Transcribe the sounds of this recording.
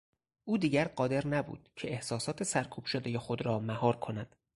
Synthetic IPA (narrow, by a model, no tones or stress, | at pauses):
ʔuːd̪iːɟæɾɢɒːd̪e̞ɾnæbṵːd̪̥cʰe̞ehsɒːsɒːt̪ʰe̞sæɾkʰuːb̥ʃod̪e̞je̞xo̞d̪ɾɒːmæhɒːɾkʰo̞næd̪̥